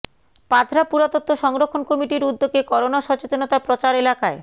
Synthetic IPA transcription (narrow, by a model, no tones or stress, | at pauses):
pad̪ʱɾapuɾat̪ot̪ʰːoʃɔŋɾokʰːonkɔmiʈiɾud̪ːoɡekɔɾonaʃɔt͡ɕot̪onot̪apɾot͡ɕaɾelakae